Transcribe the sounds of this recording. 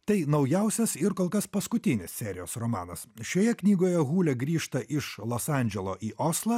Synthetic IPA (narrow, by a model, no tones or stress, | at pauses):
t̪ɐɪnɐʊjɛʊsʲɛsɪɾkoːlˠkɐspɐskʊt̪ʲɪnʲɪssʲɛːɾʲɪ̰jo̰ːsɾomɑ̰ːnɐsʃʲoːjɛknʲiːɡoːjɛɣuːlʲɛɡɾʲiːʃt̪ɐʔɪʃlˠoːsɑˑnʲd͡ʒʲɛlˠo̰ːʔiːʔoːslˠɑː